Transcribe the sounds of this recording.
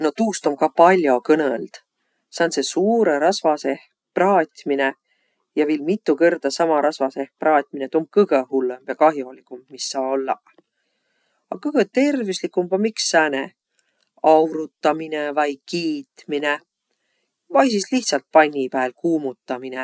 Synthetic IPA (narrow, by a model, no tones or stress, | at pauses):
no̞t̪uːst̪o̞mkɑpɑlʲjo̞kɤneld̪̥ | sɑnsesuːɾeɾɑsvɑseh | prɑːt̪ʲmine | jɑviːlmit̪ːˑukerd̪̥ɑsɑmɑɾɑsvɑsehprɑːt̪ʲminet̪om̚kɤɡ̥ehulːemb̥jɑkɑɦjolikˑummisːɑːolːɑ̰ | ɑkɤɡ̥et̪e̞rvislikːˑumbɑmiksːæːne | ɑwɾut̪ːɑminevɑjkiːt̪mine | vɑjsisliht̪sɑlt̪̚pɑnʲːipæːlkuːmut̪ːɑmine